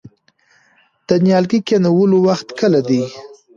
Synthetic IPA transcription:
d̪̥ənjɑlɡikenawəlowaxt̪kəlad̪i

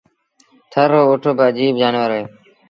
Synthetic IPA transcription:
t̪ʰəɾoːoːʈʰoːbəd͡ʒiːbd͡ʒaːnʋəɾɦeː

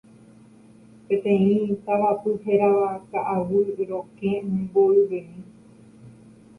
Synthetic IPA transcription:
pẽ̞t̪ẽ̞ĩt̪aʋapɨɦeɾaakaʔaʋɨɾokẽmẽboiʋeĩ

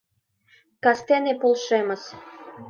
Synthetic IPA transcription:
kɑst̪enepolˠʃemɤ̆s

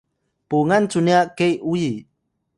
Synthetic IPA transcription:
puŋant͡suniakejʔuji

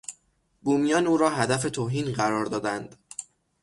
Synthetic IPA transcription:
buːmijɒːnuːɾɒːɦæd̪æfe̞t̪ʰoːɦiːnɢæɾɒːɾd̪ɒːd̪ænd̪̥

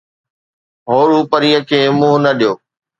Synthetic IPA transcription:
ɦoːɽuːpəɾiːəkʰeːmũːnɐɗijoː

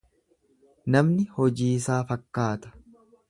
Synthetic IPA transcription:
nɐmnɪhɔd͡ʒiːsaːfɐkːaːt̪ɐ̥

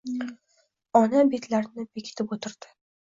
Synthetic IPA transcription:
ɒnabe̞t̪ʰlaɾɪnɪbekʲʰɪ̥t̪ʰɪpot̪ʰɪɾd̪̥ɪ̥

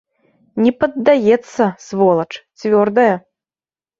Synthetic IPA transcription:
nʲɛpɐd̪ːajɛt̪sːɐsvɔlˠɐt͡ʂt͡sʲvʲɔrd̪ɐjɐ

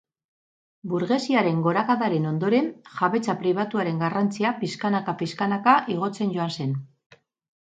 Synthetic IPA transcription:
buɾɣe̞siaɾe̞ŋɡo̞ɾakaðaɾe̞no̞nd̪o̞ɾe̞nxaβe̞t͡sapɾiβ̞at̪uaɾe̞ŋɡarant͡siapiskanakapiskanakaʔiɣ̞o̞t͡se̞nɟo̞anse̞n

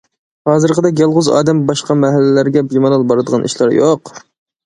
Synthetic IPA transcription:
hɑːzɨɾqʰəd̪ɛk̬ʲjɑlˠʁʊzɑ̰ːd̪ɛmbɑʃqɑmɛɦælːɪlæɾɡʲɛbimɑnɑlˠbɑɾɨd̪əʁɑnʔḭʃlˠɑɾjoq

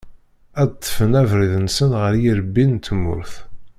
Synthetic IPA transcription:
æd̪t̪ːə̥fənævɾiðnsənʁəɾjiɾəbːint̪ːəmːʊ̰ɾθ

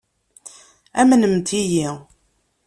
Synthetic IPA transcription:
æmnəmt̪ʰiji

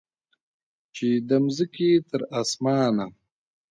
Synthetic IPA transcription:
t͡ʃed̪əmzikit̪ʰəɾasmɑːna

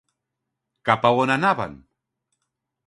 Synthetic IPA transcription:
kapawonanaba̰n

